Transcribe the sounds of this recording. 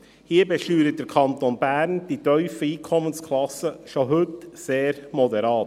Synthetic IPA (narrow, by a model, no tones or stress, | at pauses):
hiːɾbɛʃyːɾət̚d̥əɾkʰɑnt̪onbæːɾnd̥itœʏfəiːkʰɔmənskʰlɑsəʃoɦʏtseːɾmɔd̪ɛɾɑːt